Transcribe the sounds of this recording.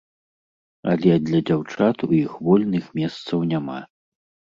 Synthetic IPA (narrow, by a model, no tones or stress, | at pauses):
ɐ̰lʲɛd̪lʲɐd͡zʲawt͡ʂat̪ujixvɔlʲnɨxmʲɛst̪sɐwnʲama̰